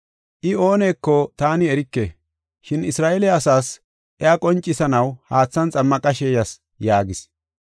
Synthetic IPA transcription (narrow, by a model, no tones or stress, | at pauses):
ʔɪo̞ːne̞ːkːɔt̪aːnɪɛɾɪkːe | ʃɪnɪsɾaːʔɛlɛɐsaːs | ʔɛakʼɔnt͡ʃʼːɪsɐnɐwhaːt͡sːɐnt͡sʼɐmːɐkʼɐʃeːjɐs | jaːɡɪs